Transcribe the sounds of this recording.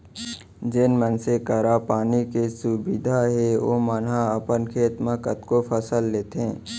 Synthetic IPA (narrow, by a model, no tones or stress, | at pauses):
d͡ʒɪnmənsekəɾapaːnikesubɪd̪ʱaɦeʋo̰ːmənɦaəpənkʰeːt̪məkət̪kopʰəsəlːeːt̪eɛ̃ː